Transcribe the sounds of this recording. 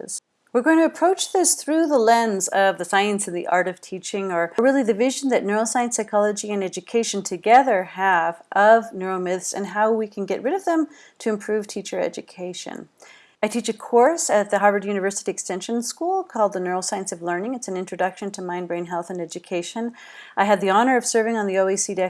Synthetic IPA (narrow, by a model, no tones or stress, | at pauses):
z̥ | wɨɹɡoʊɪ̃ŋtʰɨəpʰɹ̥oʊt͡ʃðɪsθɹʉðəlɛ̃ndzʌvðɨsaɪɨ̃nsɨ̃n̩ðḭʔɑ̰ɹɾʌv̥tʰit͡ʃɪ̃ŋə˞ɹɪlˠiðɨvɪʒ̃n̩ðɨtⁿnɜ˞oʊsaɪɨ̃nsaɪkʰɑlˠəd͡ʒiɨ̃nɛd͡ʒɨkʰeɪʃɨ̃n̩tʰɨɡɛðə˞əvʔʌvnɜ˞oʊmɪθsɨ̰̃nɦaʊwikʰɨ̃nɡɛʔ̚ɹʔɪɾʌvðɨ̃m | tʰɨɨ̃mpʰɹ̥ʉv̥tʰit͡ʃə˞ɛ̰d͡ʒɨkʰeɪʃɨ̰̃n | aɪtʰit͡ʃɨkʰɔɹsɨt̪̚ðɨɦɑɹvə˞djʉñɨvɜ˞sɨɾiɨkstɛ̃nʃɨ̃nskulˠkʰɔlˠd̪̚ðənɜ˞olˠsaɪɨ̃nsʌvlɜ̃˞nɪ̃ŋɨtsn̩ɪ̃nt͡ʃɹ̥ɨdʌkʃɨ̃ntʰɨmãɪ̃nbɹẽɪ̃nɦɛlˠθɨ̃nɛd͡ʒɨkʰeɪʃɨ̃n | ʔaɪɨd̪̚ðiɑnə˞ʌv̥sɜ˞vɪ̃ŋə̃nðioʊisidɛ